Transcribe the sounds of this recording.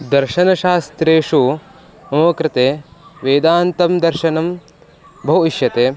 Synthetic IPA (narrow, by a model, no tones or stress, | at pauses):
d̪ɐɾʃɐnɐʃaːst̪ɾeːʂu | ɐmɐːɐkɾɪt̪eːʋeːd̪aːnt̪ɐmd̪ɐɾʃɐnɐm | bʱɐwiʃjɐt̪eː